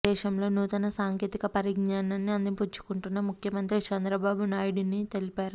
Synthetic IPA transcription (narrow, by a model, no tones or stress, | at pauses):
ɛːʃɐmlo̞ːnuːt̪ɐnɐsaːŋkeːt̪ikɐpɐɾiɡnaːnɐnːiɐnd̪ipuɲt͡ʃu̥kuɳʈunːɐmukʰjɐmɐnt̪ɾit͡ʃɛnd̪ɾɐbaːbunaːjuɽunit̪e̞lipaːɾu